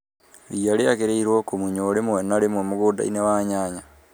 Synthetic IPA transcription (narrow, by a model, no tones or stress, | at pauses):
liaɾeaɣeɾeiɾwokomuɲoɾemwenaɾemwemoɣoːda̰ḭnewaɲaːɲa